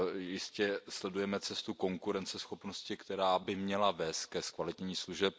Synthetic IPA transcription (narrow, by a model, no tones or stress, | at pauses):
jɪscɛslɛdujɛmɛt͡sɛst̪uko̞ŋkuɾɛnt͡sɛsxo̞pno̞scɪkt̪ɛɾaːbɪmɲɛlavɛːst̪̚kɛskvalɪt̪ɲɲiːsluʒɛp̚